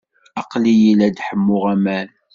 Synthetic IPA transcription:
ɑqlijilæd̪ħəmːʊʁæmæl

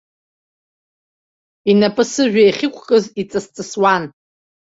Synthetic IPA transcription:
inapʼɨsɨʒᶣajχʲɪkʷʰkʼɨzit͡sʼɨst͡sʼɨswan

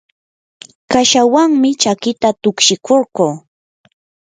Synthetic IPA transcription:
kaʃawaŋmɪt͡ʃakɪt̪at̪ʊkʃɪkʰoɾqoː

